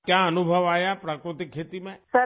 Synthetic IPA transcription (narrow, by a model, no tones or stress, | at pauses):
kjãənubʱəʋajapɾakɾut̪ikʰːet̪imẽsə